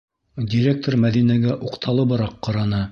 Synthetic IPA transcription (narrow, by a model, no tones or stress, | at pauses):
dʲiɾʲek̚t̪oɾmæðinæɡæʔuqt̪ʰɑlˠɤ̆βɤ̆ɾɑqːɑ̆ɾɑnɤ